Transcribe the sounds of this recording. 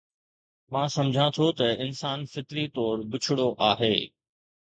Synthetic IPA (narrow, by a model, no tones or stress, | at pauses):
mãːsɐ̃md͡ʑʱãt̪ʰot̪ɐɪnsaːnfɪt̪ɾit̪ɔːɾbʊt͡ɕʰʊɽoʔaːɦeː